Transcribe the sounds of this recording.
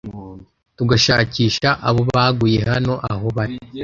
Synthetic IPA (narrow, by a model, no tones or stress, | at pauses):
tuɡaʃaːciːʃaʔaβo̞βaɡuje̞ɦano̞ʔaho̞βaɾi